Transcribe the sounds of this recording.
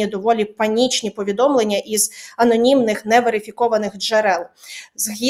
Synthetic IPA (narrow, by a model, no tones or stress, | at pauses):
id̪ɔʋɔlʲipɐnʲit͡ʃnʲipɔʋʲid̪ɔmlˠenʲːɐʔizɐnɔnʲimnɪxnɛʋeɾɪfʲikɔʋɐnɪxd͡ʒeɾɛlˠzɦʲi